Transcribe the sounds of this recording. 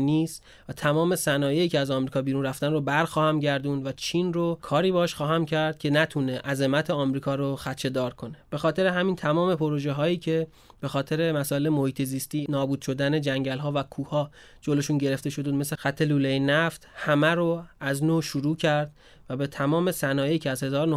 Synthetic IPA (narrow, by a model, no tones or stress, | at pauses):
niːst̪ | væt̪ʰæmɒːme̞sænɒːjejiːcʰeæzɒːmɾikɒːbiːɾuːnræft̪ænrobæɾxɒːhæmɟæɾd̪uːnvæt͡ʃʰiːnrokʰɒːɾiːbeʃxɒːɦæmcʰæɾd̪̥̚cʰe̞næt̪ʰuneʔæze̞mæt̪ʰeɒːmɾiːkʰɒːɾoxæt̪t͡ʃʰːe̞d̪ɒːɾkʰo̞ne̞b̥e̞xɒːt̪ʰe̞ɾeɦæmiːnt̪ʰæmɒːme̞pʰo̞ɾo̞ʒeɦɒːjiːcʰe̞ | b̥e̞xɒːt̪ʰe̞ɾe̞mæsɒːe̞lemohiːt̪ʰe̞ziːst̪iːnɒːbuːd̪̥ʃo̞d̪æne̞d͡ʒæŋɟælɦɒːvækʰuːhɒː | d͡ʒoloʃuːnɟe̞ɾe̞ft̪e̞ʃod̪uːd̪me̞sexæt̪ʰːe̞luːle̞jenæft̪hæmæɾoæznoːʃuɾuːcʰæɾd̪ | væbe̞t̪ʰæmɒːme̞sænɒːje̞jiːcʰeæzhe̞zɒːɾono